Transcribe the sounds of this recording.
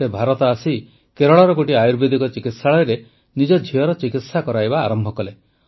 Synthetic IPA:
ebʱaɾɔt̪ɔasi | keɾɔɭɔɾɔɡoʈiajuɾbed̪ʱikɔt͡ʃikit̪saɭɔjɾe | nid͡ʒɔd͡ʒʱiɔɾɔt͡ʃikit̪sakɔɾajbaːɾɔmbʱɔkɔle

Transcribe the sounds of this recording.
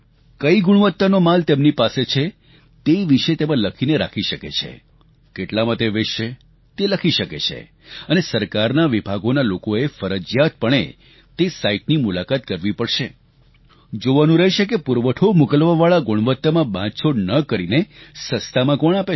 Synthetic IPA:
kəiɡuɽ̃ʋət̪ːanomalt̪emnipaset͡ʃʰe | t̪eʋiʃet̪emãləkʰineɾa̰kʰiʃəkḛt͡ʃʰḛ | keʈlamãt̪eʋeʃe | t̪eləkʰiʃəket͡ʃʰḛ | ənesəɾkaɾnaʋibʱaɡonalokoefəɾəd͡ʒjat̪̚pəɳ̃ḛ | t̪esaiʈ̚nimulakat̪kəɾʋipəɽʃe | d͡ʒoʋanũɾəɦeʃek̬epuɾʋəʈʰomukəlʋaʋaɭaɡuɽ̃ʋət̪ːamãbʱãt͡ʃʰoɖnəkəɾinesəst̪amãkɔɳ̃ape

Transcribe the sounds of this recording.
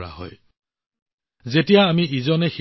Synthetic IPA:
a̰hɔ̰j | zetijaːmiʔizɔnɛx

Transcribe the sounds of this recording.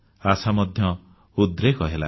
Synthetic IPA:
asamɔd̪ʱjɔ | ud̪ɾekɔɦela̰

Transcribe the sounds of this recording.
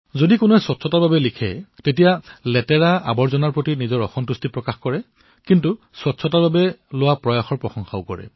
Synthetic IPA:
zodikʊnuɛswɔtsʰɔtaɹbabɛlikʰɛ̰tetijalɛtɛɹaa̰bɔɹzɔnaɹpɹotinizɔɹɔxɔntustipɹɔkaxkɔɹɛ | kintu | sɔtsʰɔtaɹbabɛlʊwapɹɔjaxɔɹpɹɔxɔŋxaʊkɔɹɛ̰

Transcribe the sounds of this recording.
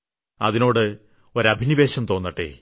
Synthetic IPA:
ɐ̰ðino̞ːɽɨ | o̞ɾɐbʱiniʋeːɕɐmt̪o̞ːnːɐʈːḛː

